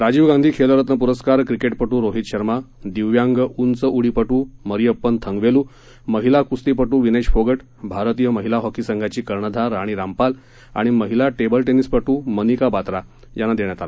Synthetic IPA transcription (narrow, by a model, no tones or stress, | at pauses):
ɾad͡ʑiːʋɡãnd̪ʱiːkʰeləɾət̪nəp̬uɾəskaɾkɾikeʈpəʈuːɾoɦit̪ɕəɾmad̪iʋjãŋɡunt͡səʔuɽipəʈuːməɾijəpːənt̪ʰəŋɡʋeluː | məɦilakust̪ipəʈuːʋineɕfoɡəʈ | bʱaɾt̪ijəməɦilaɦɔkisəŋɡʱat͡ɕiːkəɾɳəd̪ʱaɾːaɽ̃iːɾampal | a̰ɽ̃iməɦilaʈebəlʈenispəʈuːmənikabat̪ɾa | janad̪eɳjat̪ala